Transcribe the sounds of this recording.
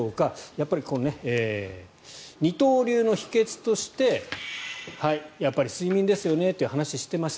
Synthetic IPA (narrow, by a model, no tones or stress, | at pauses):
oːkajapːaɾʲikonne̞eː | ɲ̟it̪o̞ːɾʲɨːno̞çi̥ke̞t͡sɨ̥t̪o̞ɕi̥t̪e̞ | haijapːaɾʲisɨimʲĩnd̪e̞sɨjo̞ne̞t̪ːeiɯ̟hanaɕiɕi̥t̪e̞maɕi̥